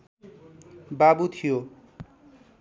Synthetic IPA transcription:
babut̪ʰijo

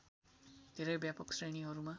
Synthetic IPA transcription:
d̪̥ʱeɾəjbjapɔksɾeɳ̃iɦɔɾuma

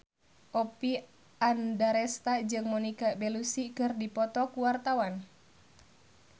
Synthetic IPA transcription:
ʔɔpi | andaɾɛst̪ad͡ʒɨŋmɔnikabɛlusikɨrdipɔt̪ɔkuwart̪awan

